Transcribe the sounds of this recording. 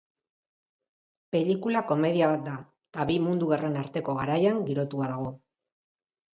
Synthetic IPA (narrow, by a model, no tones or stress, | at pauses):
pe̞likulako̞me̞ðiaβat̪̚d̪a | t̪aβimund̪uɣare̞naɾt̪e̞ko̞ɣaɾajaŋɡiɾo̞t̪uaðaɣ̞o̞